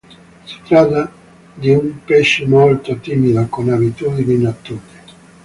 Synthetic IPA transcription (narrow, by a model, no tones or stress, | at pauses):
si̥t̪ɾat̪ːa | d̪iumpɛʃːemolt̪ot̪imid̪akonabit̪ud̪ininat̪ːuːɾe